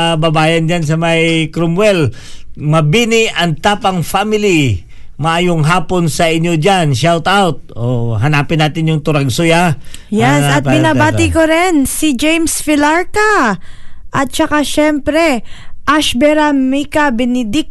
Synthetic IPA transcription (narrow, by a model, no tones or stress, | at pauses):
bɐbaːjɐnd͡ʒans̬ɐmajkɾʊmwɛl | mɐbinɪʔɐŋt̪aːpɐŋfamɪli | mɐʔajoŋɦaːponsɐʔɪɲːod͡ʒanʃɛlt̪awt̪̚oɦɐnaːpɪnːaːt̪ɪnjʊŋt̪ʊɾaɡsojajɛsɐt̪pɪnabaːɪkoɾɛnsɪd͡ʒejmsfɪlaɹka | ʔɐt̪̚t͡ʃɐkaʃɛmpɾɛʔaʃbɛɾamikabɛnɪd̪ɪk̚